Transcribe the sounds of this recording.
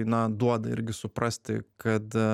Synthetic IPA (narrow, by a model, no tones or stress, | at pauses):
ɪnɑd̪uɔd̪ɐɪ̰ɾʲɡʲɪsʊpɾɐsʲt̪ʲɪ̰kɐt̪